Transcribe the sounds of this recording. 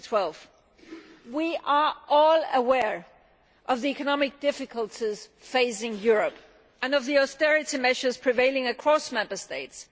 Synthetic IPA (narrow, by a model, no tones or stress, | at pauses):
tʰw̥ɛlˠv̥ | wiʔə˞ʔɔlˠəwɛɹ | ʔʌvðiɛkɨnɑmɨk̚d̥ɪfɨkʰəlˠtʰiz̥feɪsɪ̃ŋjʊɹɨp | ɨ̃nʌvðiɔstɛɹɨɾimɛʃə˞z̥pʰɹ̥ɨveɪlˠɪ̃ŋɨkʰɹ̥ɔsmɛ̃mbə˞steɪts